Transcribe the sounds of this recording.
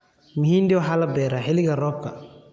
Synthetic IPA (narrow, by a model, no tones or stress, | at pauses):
mihindɛɔɦalabɛɾaɦeliɡaɾɔkːa̰